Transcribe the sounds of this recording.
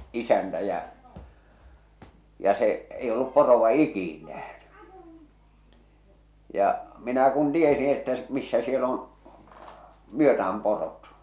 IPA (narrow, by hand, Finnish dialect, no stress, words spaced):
isæntæ jæ jɑ seʔ ei olːup poroʋɑ ikiˑn næhny jɑ minæ kun tiesĩː etːæ s misːæ siel on̞ myøtææm porot